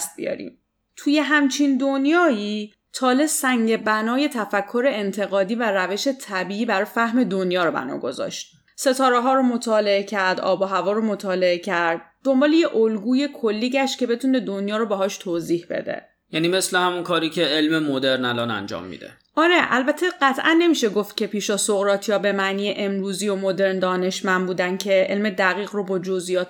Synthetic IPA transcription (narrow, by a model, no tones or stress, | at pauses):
st̪̚bḭjɒ̰ːɾḭm | t̪ʰuje̞ɦæmt͡ʃʰind̪onjɒːiː | t̪ʰɒːle̞sæŋɟebænɒːje̞t̪ʰæfækʰːo̞ɾe̞ent̪ʰe̞ɣɒːd̪iːværæve̞ʃe̞t̪ʰæbiːiːbæɾɒːjfæhme̞d̪onjɒːɾobæ̰nɒ̰ːɡo̞zɒ̰ʃt̪̚ | se̞t̪ʰɒːɾeɦɒːɾomot̪ʰɒːle̞ecʰæɾd̪ɒ̰ːbɒɦævɒːɾomot̪ʰɒːle̞e̞cʰæɾd̪̚ːo̞mbɒːlejeʔolɡuːje̞kʰolːiːɟæʃcʲʰe̞be̞t̪ʰuːne̞d̪onjɒːɾobeɦɒːʃt̪ʰoːziːhbḛd̪ḛ | jæːniːmeslehæmunkʰɒːɾiːcʰeelmemod̪eɾnælɒːnæ̰nd͡ʒɒ̰ːmːḭːd̪ḛ | ʔɒːɾeʔælbæt̪ʰe̞ɢæt̪ʰʔænːe̞miːʃeɡoft̪̚cʲʰe̞pʰiːʃɒsoɣɾɒːt̪ʰijɒːbe̞mæniːjeʔemɾuːziːjo̞mod̪e̞ɾnd̪ɒːne̞ʃmænbuːd̪æncʰe̞ʔelme̞d̪æɣiːɣrobɒːd͡ʒozijɒːt̪ʰ